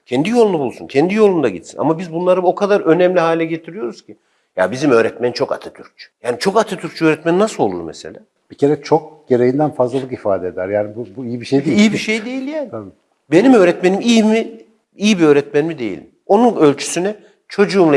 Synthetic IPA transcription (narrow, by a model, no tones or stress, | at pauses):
cʰɛnd̪ijolˠund̪abulˠsuncʰɛnd̪ijo̞lˠund̪aɟḭt̪sḭna̰mabizbunlˠaɾɯo̞kʰad̪aɾø̞nɛmlʲiɦaːlʲɛɟet̪ʰiɾijo̞ɾuz̥cʰi | ja̰bizimø̞ːɾɛt̪mɛnit͡ʃʰo̞ka̰t̪ʰɯ̥t̪ʰyɾc̚t͡ʃʰy̥jaːnit͡ʃʰo̞kat̪ʰɯt̪ʰyɾk̚ct͡ʃʰyøːɾɛt̪mɛninasɯlˠo̞lˠṵɾmɛ̰se̞̰lʲa̰ː | b̥icʰe̞ɾɛt͡ʃʰok̚ɟ̥e̞ɾejind̪ænfazlˠalˠɯkifaːd̪ɛed̪æɾjaːnibubuijibiʃejd̪eijibiʃe̞jd̪e̞jilʲjaːnibi | be̞nimø̞ːɾɛt̪me̞nimijimi | ijibiøːɾɛt̪̚mænmid̪e̞jḭlʲ | o̞nunø̞lʲt͡ʃʰy̥synɛ | t͡ʃʰo̞d͡ʒuːmlˠa